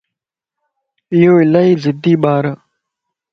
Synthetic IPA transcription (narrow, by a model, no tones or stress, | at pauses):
ɪjoːɪlaːiːzɪd̪iːɓaːɾ